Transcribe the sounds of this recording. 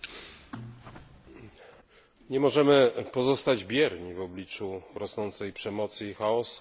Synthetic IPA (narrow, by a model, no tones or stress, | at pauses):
ɲɛmɔʐɛmɘpɔzɔst̪ad͡ʑbʲjɛɾɲivɔblʲit͡ʂuɾɔsnɔnt̪sɛjpʂɛmɔt̪sɨxaɔs